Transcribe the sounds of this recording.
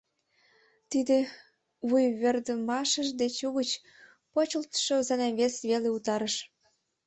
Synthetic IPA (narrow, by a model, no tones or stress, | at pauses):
t̪id̪e | βujβerd̪əmɑʃə̆ʃd̪et͡ɕuɣət͡ɕ | pot͡ɕəlt̪ʃozɑneβesβeleut̪ɑɾəʃ